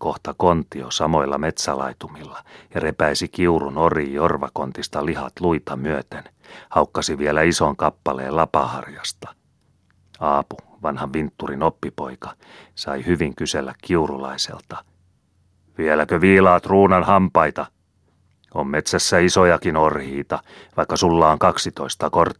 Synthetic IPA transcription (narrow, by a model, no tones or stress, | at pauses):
ko̞ht̪ɑkont̪iosɑmo̞ilːɑ̰me̞t̪sælɑ̰it̪umilːɑjɑrepæisikiurunoriːjorʋɑko̞nt̪ist̪ɑlihɑt̪luit̪ɑmyøt̪en | hɑukːɑsiʋielæisoŋkɑpːɑlḛːlɑpɑ̰hɑ̰rjɑst̪ɑ̥ | ɑːpu | ʋɑnhɑʋʋint̪ːurinopːipo̞ikɑ̥ | sɑihyʋiŋkyselːækkiurulɑ̰isḛlt̪ɑ̥ | ʋielækøʋiːlɑːt̪ruːnɑnhɑmpɑit̪ɑ | ommet̪sæsːæisojɑkinorhiːt̪ɑ | ʋɑikːɑsulːɑːŋkɑksit̪oist̪ɑkort̪ː